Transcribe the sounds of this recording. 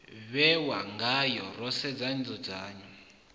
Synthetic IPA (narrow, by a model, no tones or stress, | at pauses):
βɛwaŋɡajɔrɔsɛd͡zand͡zɔd͡zaːɲɔ